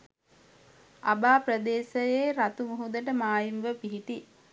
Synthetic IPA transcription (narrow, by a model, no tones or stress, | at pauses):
abaːpɾəd̪eːsəjeːɾat̪umuɦud̪əʈəmaːjimʋəpiɦiʈi